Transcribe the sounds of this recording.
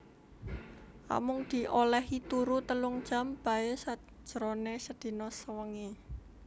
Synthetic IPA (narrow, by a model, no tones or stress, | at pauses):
ʔa̰mʊŋd̪̥i̤ʔolɛɦit̪uɾut̪əlʊŋd̥ʒ̥a̤mb̥a̤esḁ | ʒ̥əɾonesəd̪̥i̤nɔsəwəŋi